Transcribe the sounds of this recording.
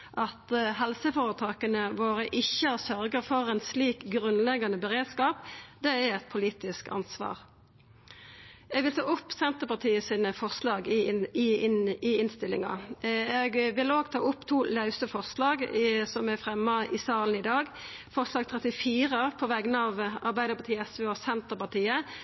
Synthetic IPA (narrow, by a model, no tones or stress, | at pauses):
ʔɑt̪ɦɛlsəfoːʁət̪ʰɑːkənəʋoːʁəʔɪçəsœʁɡəʁfɔʁɛnsliːkɡʁʉnlɛɡːɑnəbəʁeːd̪skɑːpd̪ɛɛɛt̪̚pʰʊliːt̪ɪskɑ̰nsʋɑ̰ːʁ | ɛːɡʋɪlt̪ʰɑ̰ːʊpːsɛnt̪əʁpɑt̪ʰiːəsiːnəfɔʁslɑːɡɪɪɪnst̪ɪlɪ̰ŋɑ̰ɛɡʋɪloːɡt̪ʰɑ̰ːʊpːt̪ʰuːlɑʉsəfɔʁslɑːɡsɔmɛʁfʁɛmːɑʔɪsɑːln̩ɪd̪ɑːɡ | fɔʁslɑːɡ̚t̪ʰʁɛt̪ɪfiːʁəpʰɔʋæɡənɑʋɑʁbæɪd̪əpɑt̪ʰiːəɛsʋeoːsɛnt̪əʁpɑʁt̪iːə